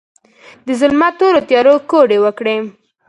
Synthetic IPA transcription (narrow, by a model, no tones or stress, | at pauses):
d̪əzʊlmat̪oɾot̪jɑɾokoɖewəkɽe